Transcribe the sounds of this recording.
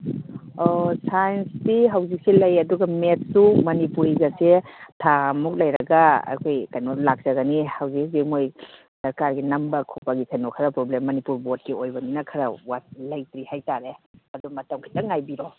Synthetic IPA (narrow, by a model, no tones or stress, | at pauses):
ɔsajnsdiɦawzik̚selɐjɐduɡɐmet̚sumɐnipuɾizasetʰamuk̚lɐjɾɐɡaɐ̰jkʰojkajnɔlak̚z̥ɐɡanihawzik̚simoj | sɐɾkaɾɡinɐmbɐkʰupaɡikʰajnɔkʰaɾɐpɾoblemːɐnipuɾbot̚kiojbɐninakʰɐɾɐwat̚lɐjtɾihajtaɾeɐdumɐtɐmkʰajtaŋajbiɾɔ